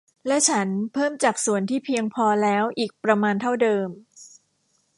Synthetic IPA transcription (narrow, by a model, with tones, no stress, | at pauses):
lɛ˦˥t͡ɕʰa˦˥npʰɤː˥˩mt͡ɕaː˨˩k̚su˨˩ənt̪ʰiː˥˩pʰi˧əŋpʰɔː˧lɛː˦˥wʔiː˨˩k̚pɾa˧maː˧nt̪ʰa˥˩wdɤː˧m